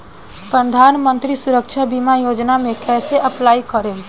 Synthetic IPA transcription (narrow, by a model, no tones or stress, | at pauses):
pɾəd̪ʱanmənt̪ɾisuɾəkt͡ʃʰabimajod͡ʒnamekɛseʔəplaikəɾel